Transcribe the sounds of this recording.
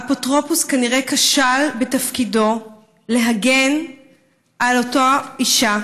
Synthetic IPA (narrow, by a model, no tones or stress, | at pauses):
apotʁo̞puskaniʁe̞kaʃalbetafkido̞ | le̞ɦaɡen | ʔalotoiʃa